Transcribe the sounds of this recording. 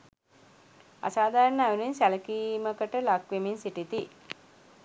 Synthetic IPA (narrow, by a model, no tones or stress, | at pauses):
a̰saːd̪aːɾnəaʋuninsæləkiːməkəʈəlakʋeminsiʈit̪i